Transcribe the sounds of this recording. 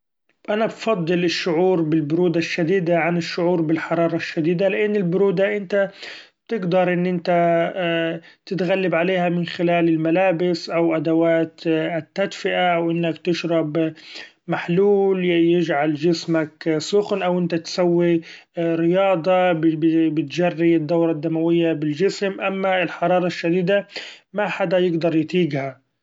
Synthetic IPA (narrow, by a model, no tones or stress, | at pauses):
ʔanabfɑd̪ˤːɨlɪʃːʊʕuːɾbɪlbʊɾuːd̪aʃːad̪iːd̪aʕanɪʃːʊʕuːɾbɪlħɑɾˤɑːɾˤɑʃːad̪iːd̪alɪʔɪnːɪlbʊɾuːd̪aʔɪnt̪a | t̪ɪɡd̪ɑɾˤʔɪnːʔɪnt̪a | t̪ɪt̪ɣalːabʕaleːhamɪnxɪlaːlɪlmalaːbɪsʔawʔad̪awaːt̪t̪ːad̪fɪʔawʔɪnːakt̪ɪʃɾˤɑb | maħluːljɪd͡ʒʕald͡ʒɪsmaksʊxnʔawʔɪnt̪at̪sawːi | ɾɪjɑːd̪ˤɑbbbɪt̪d͡ʒarːiɪd̪ːawɾˤɑd̪ːamawɪjːabɪld͡ʒɪsmʔamːaɪlħɑɾˤɑːɾˤɑʃːad̪iːd̪amaħad̪ajɪɡd̪ɑɾˤjt̪iːɡha